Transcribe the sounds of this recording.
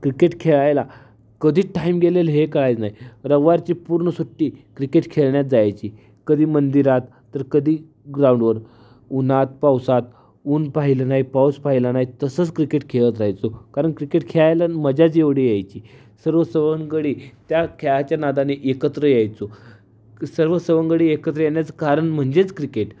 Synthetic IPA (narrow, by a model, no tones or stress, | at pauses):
kɾikeʈkʰeɭajla | kəd̪ʱiːʈʰaimɡelelɦekəɭajt͡snaɦiɾəɡʋaɾt͡ɕiːpuɾɳəsuʈːiːkɾikeʈkʰeɭɳjat̪̚d͡zajt͡ɕiː | kəd̪ʱiːmənd̪iɾat̪ːəɾkəd̪ʱiː | ɡɾauɳɖʋəɾ | unat̪̚pawsat̪̚ | uːnpaɦilənaɦipawspaɦilanaɦit̪əsət͡skɾikeʈkʰeɭət̪ɾaɦjt͡sokaɾəɳkɾikeʈkʰeɭajlaməd͡ʑat͡seʋɽijajt͡ɕiː | səɾʋəsəʋəŋɡəɽiːt̪jakʰeɭat͡ɕjanad̪aneʔekət̪ɾəjajt͡so | səɾʋəsəʋəŋɡəɽiːekət̪ɾəjeɳjat͡səkaɾəɳm̤əɳd͡zet͡skɾikeʈ